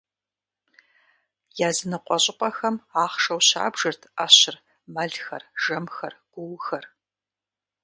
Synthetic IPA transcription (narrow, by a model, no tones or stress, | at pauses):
jaːzɨnɨqʷʼɔɕʼɪqʷʼɐxɐmaːχʂɐwɕa̰ːbʒɨrtʰaːɕɪr | mɐɮxɐ̰rʒɐmxɐrɡ̥ʷʊwxɐr